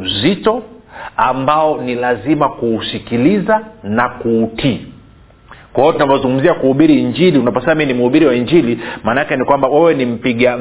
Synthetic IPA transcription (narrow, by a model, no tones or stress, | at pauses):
zitɔambaɔnilazimakuːsikilizanakuːtʰiː | kwaɔtunavɔzuŋɡum̩ziakuhuɓiɾiːɲd͡ʒiliunapɔsɛaminim̩uhuɓiɾiwaiɲd͡ʒilimanakɛnikwambawɛwɛnim̩piɠa